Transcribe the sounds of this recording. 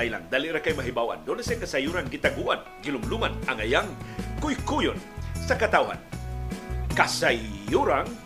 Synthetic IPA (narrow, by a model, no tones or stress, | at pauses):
ajla̰ŋd̪aliɾakajmaɦibawa̰nd̪onasaŋkasajuɾaŋɡit̪aɡuʔan | ɡilʊmluŋanaŋajaŋkʊjkujʊnsakat̪awɦa̰n | kasauɾaŋ